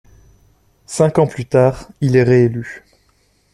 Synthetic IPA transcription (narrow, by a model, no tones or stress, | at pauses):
sɛ̃kɑ̃plyt̪aːʁilɛʁeely